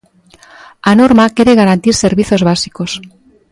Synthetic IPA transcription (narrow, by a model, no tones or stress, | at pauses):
anoɾmakeɾeɣaɾant̪iɾseɾβiθozβasikos